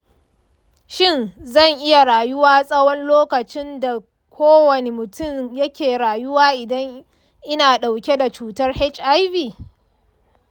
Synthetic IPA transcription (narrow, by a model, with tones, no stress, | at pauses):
ʃɪ˦nzɐ˦˨ŋʔɪ˦ja˨ɽaː˨jʊ˦waː˦sʼɐ˦wɔ˦nloː˦kɐ˨t͡ʃɪ˦nda˨ | kʷʰoː˦wɐ˨ne˨mʊ˨tʊ˦mjɐ˦kʲeː˨ɾaː˨jʊ˦waː˦ʔɪ˨dɐ˦ŋ | ʔɪ˦naː˨ɗa˨wkʲe˦da˨t͡ʃuː˨tɐ˦rhɛ˦t͡ʃʔa˦jviː˨